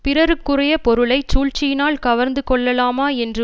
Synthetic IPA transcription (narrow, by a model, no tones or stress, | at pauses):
pɪɾɐɾɯkːɯrɐjɐpɔɾɯɭɐɪt͡ʃuːɻt͡ʃːɪjɪnaːlkɐʋɐɾnd̪ɯkɔɭːɐlaːmaːɛndrɯ